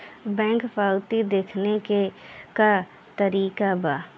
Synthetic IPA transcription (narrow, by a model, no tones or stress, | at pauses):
bɛ̃ːŋkpaːʊt̪id̪eːkʰnekeka | t̪əɾiːkabaː